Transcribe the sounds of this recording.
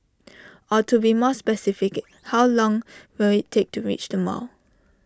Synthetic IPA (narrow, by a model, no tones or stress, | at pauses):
ɔtubimɔspɛsɪfɪk | hawlɔ̃ŋwɪlɪtʰːek̚tuɹḭt͡ʃdəmɔ̰l